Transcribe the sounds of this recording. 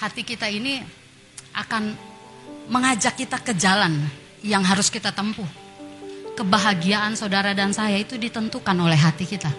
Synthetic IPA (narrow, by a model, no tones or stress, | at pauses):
hat̪ikit̪aini | ʔa̰kan | məŋad͡ʒakːit̪akəd͡ʒalan | jaŋɦaɾʊskit̪at̪əmpuh | kəbaɦaɡiaʔansaudaɾadansajait̪udit̪ənt̪ukanolɛɦat̪ikit̪a